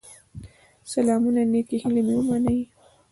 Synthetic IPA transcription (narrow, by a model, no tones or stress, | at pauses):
salɑmunanekihilemewumanəj